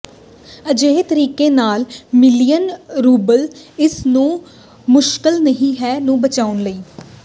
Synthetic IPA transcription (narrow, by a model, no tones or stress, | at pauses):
əd͡ʒeːt̪əɾiːkeːnaːlmɪlijənɾuːbəlɪsnũː | mʊʃkɪlnəɦĩːɦɛːnũːbət͡ʃaːʊnləiː